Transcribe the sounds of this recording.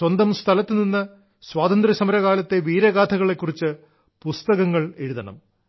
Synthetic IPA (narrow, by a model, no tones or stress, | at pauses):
wɐnd̪ɐmst̪ʰɐlɐt̪ːɨninːɐ | swaːd̪ɐnd̪ɾɐsɐmɐɾɐɣaːlɐt̪ːe̞ʋiːɾɐɣaːt̪ʰɐɣɐɭe̞kːurit͡ɕːɨ | pust̪ɐɣɐŋːɐɭe̞ɻuðɐɳɐ̰m